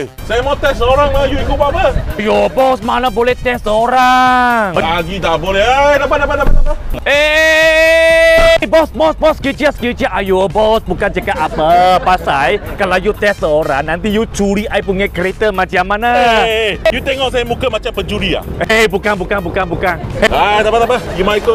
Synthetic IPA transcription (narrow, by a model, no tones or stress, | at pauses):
sajamat̪ɛsəoɾaŋlajuikupapaajobɔsmanabolɛht̪ɛsəoɾaŋaɡit̪abolɛadapadapadapaaae | bɔsbɔsbɔskut͡ʃiaskut͡ʃiaʔajubɔsbukand͡ʒakaʔapəpasajkalajut̪ɛssəoɾaŋnant̪ijut͡ʃuɾiʔajpuŋɛkəɾet̪əmat͡ʃamana | jut̪ɛŋɔksajamukamat͡ʃambəd͡ʒulia̰ebukanbukaŋbukaŋbukaŋead̪apat̪apajumajkə